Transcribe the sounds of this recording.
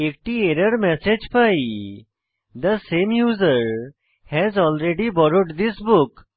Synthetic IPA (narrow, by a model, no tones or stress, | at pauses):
ek̚ʈieɾəɾmɛsed͡ʒpaj | d̪əsẽmjuːzəɾ | hɛzɔlɾeɖibɔɾoʈd̪isbuk